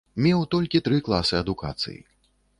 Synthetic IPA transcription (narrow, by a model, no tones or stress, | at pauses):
mʲɛwt̪ɔlʲkʲit̪ɾɨklˠasɨɐd̪uka̰t̪sɨ̰jḭ